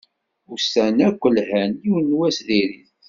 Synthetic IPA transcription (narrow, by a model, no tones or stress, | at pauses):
ʊɾsænækʷːəlhæniwənːwæsðiɾiθ